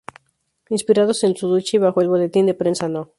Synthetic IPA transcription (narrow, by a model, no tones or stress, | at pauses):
inspiɾað̞ose̞nsuðut͡ʃiβ̞axoe̞lβo̞le̞t̪ind̪epɾensano